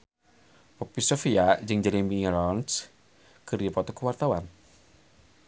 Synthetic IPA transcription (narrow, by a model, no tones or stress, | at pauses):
pɔpisofiad͡ʒɨŋd͡ʒɛlimiɾɔns | kɨrjapɔt̪ɔkəwart̪awan